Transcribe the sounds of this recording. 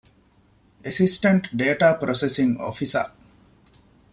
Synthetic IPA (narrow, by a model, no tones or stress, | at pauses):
esisʈeɳʈɖeːʈaːpɾosesiŋo̰ːfisɐ̰